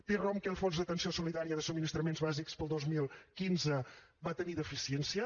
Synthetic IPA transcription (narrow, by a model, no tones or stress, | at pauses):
t̪eromkɛlˠfonzðət̪ənsiosuliðaɾiəðəsuminist̪ɾəmenzβazikspəlˠd̪ozmilˠkinzəβat̪əniðəfisiensiə